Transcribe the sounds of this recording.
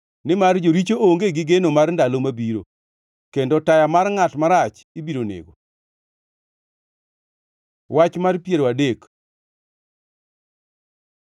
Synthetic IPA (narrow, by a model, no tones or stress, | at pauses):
nɪmard͡ʒoɾit͡ʃooŋɡeɡɪɡenomarndalomabiɾo̰ | kendotajamarŋatmaɾat͡ʃ | ibiɾonḛɡo̰ | wat͡ʃmarpjeɾoadek